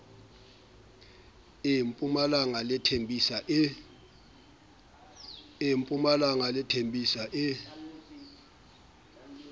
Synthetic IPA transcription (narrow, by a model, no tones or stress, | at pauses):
impʼumalaŋalɛtʰembʱʼisaʔ | impʼumalaŋalɛtʰembʱisaʔɪ